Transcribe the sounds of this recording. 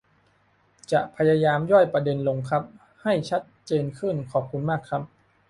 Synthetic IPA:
t͡ɕa˨˩ʔpʰa˧jaː˧jaː˧mjɔ˥˩jpɾa˧de˧nlo˧ŋkʰa˦˥p̚ | ha˥˩jt͡ɕʰa˦˥t̪̚t͡ɕeː˧nkʰɯ˥˩nkʰɔː˨˩p̚kʰu˧nmaː˥˩kʰɾa˦˥p̚

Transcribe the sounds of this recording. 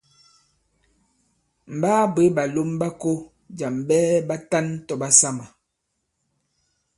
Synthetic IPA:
m̩˨baː˦be˨˦ba˨lo˦mba˦ko˦ | d͡ʒa˨mbɛː˦ba˦ta˦ntɔ˨ba˦sa˦ma˨

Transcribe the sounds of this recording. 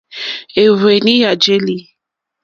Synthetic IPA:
e˨we˨nĩ˦a˨d͡ʒe˦li˨˦

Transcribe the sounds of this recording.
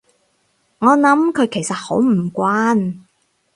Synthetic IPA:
ŋɔː˨˧nɐ˨˥mkʰɵ˨˧ɥkʰe˨˩jsɐ˨t̚ho˨˥wm̩˨˩kʷaː˥n

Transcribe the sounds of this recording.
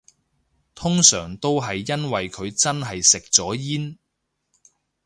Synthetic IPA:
t̪ʰʊ˥ŋsœ̰ː˨˩ŋt̪o˥wɦɐ˨jːɐ˥nwɐ˨jkʰɵ˨˧ɥt͡sɐ˥nɦɐ˨jsɪ˨k̚t͡sɔː˨˥jiː˥n

